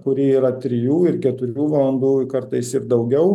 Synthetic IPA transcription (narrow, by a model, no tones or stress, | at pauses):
kʊɾʲiːiːɾɐt̪ʲɾʲɪjuːɪɾkʲɛt̪ʊɾʲuːʋɐlˠɐnd̪uːkɐɾt̪ɐɪsɪɾd̪ɐʊɡʲɛʊ